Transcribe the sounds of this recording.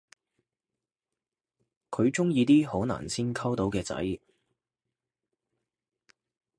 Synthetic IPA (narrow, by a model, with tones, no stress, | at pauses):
kʰɵ˨˧ɥt͡sʊ˥ŋjiː˧t̪iː˥ho˨˥wna̰ː˨˩nsiː˥nkʰɐ˥wt̪o˨˥wkɛː˧t͡sɐ̰˨˥j